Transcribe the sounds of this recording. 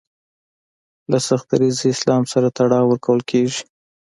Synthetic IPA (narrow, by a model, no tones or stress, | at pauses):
lasaxt̪aɾiziɪslɑmsaɾat̪aɽɑwəɾkʰawəlkʰeʒi̥